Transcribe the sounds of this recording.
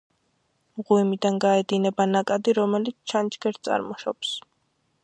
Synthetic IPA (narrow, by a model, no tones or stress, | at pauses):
mʁwimid̪anɡaɛd̪inɛbanakʼad̪iɾɔmɛlit̪sʰt͡ʃʰant͡ʃɡɛɾt̪sʼa̰ɾmɔʃɔps